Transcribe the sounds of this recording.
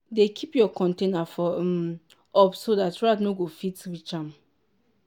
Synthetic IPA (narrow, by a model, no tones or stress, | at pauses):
dekʰipjɔkʰɔ̃ntenafɔ | ɔpsodatɹatnoɡofitwit͡ʃãm